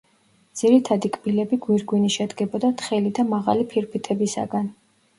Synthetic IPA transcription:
d̪z̥iɾit̪ʰad̪ikʼbilɛbiɡwiɾɡwiniʃɛd̪ɡɛbɔd̪at̪ʰχɛlid̪amaʁa̰lipʰiɾpʰit̪ʰɛbisa̰ɡan

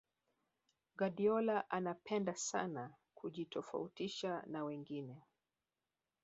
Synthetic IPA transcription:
ɡaɗiɔlaʔanapʰɛndasa̰na | kʰuʄitɔfa̰utiʃanawɛŋɡinɛ

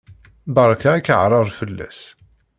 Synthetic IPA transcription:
bɑɾˤɑkaækːəʕɾˤɑðˤfəlːæ̰s

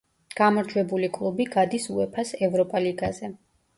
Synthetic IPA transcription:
ɡ̥amɔɾd͡ʒwɛbulikʼlˠubiɡad̪isuɛpʰasɛvɾɔpʼaliɡazɛ

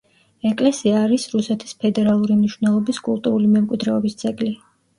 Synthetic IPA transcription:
ɛkʼlɛsiaːɾisɾusɛt̪ʰi̥spʰɛd̪ɛɾalˠuɾimniʃwvnɛlˠɔbiskʼṵlˠt̪ʼuɾulimɛmkʼwid̪ɾɛɔbisd̪zʼɛɡli

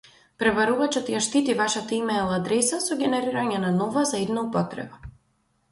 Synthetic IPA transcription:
pɾɛvaɾuvat͡ʃɔt̪jaʃt̪it̪ivaʃat̪aimɛjlˠad̪ɾɛsasɔɡʲɛnɛɾiɾaɲɛnanɔvazaɛd̪naupɔt̪ɾɛ̰ba

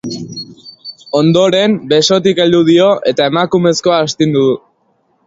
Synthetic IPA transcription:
o̞nd̪o̞ɾe̞mbe̞so̞t̪̬ikeld̪uð̞io̞ʔe̞t̪ae̞makume̞sko̞aːst̪ind̪uðu

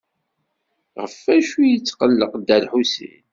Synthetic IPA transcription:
ʁəfːæʃujit͡sːqəlːəqd̪ælħusḭn

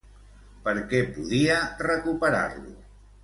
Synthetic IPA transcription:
pəɾkɛpuðiərəkupəɾa̰ɾlṵ

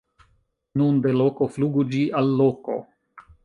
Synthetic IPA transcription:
nunde̞lo̞ko̞fluɡud͡ʒiʔalːoko̞̰

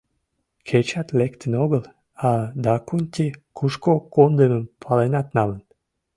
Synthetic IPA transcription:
kʰet͡ɕɑt̪lekt̪ənoɣəl | ɑd̪ɑkunʲt̪ʲikʰuʃkokond̪eməmpʰɑlenɑt̪nɑlən

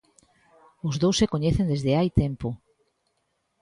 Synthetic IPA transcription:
ʊzðowsːekoɲeθẽnd̪ezðeajt̪empo

